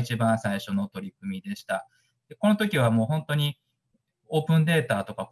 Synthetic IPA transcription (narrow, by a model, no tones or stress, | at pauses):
it͡ɕibãɰ̃saiɕo̞not̪o̞ɾʲikɯ̟mʲid̪e̞ɕi̥t̪a | d̪̥e̞ko̞no̞t̪o̞kʲiβ̞amo̞ːɦõ̞nt̪o̞ɲ̟i | o̞ːpɯ̟̃nd̪e̞ːt̪aːt̪o̞kak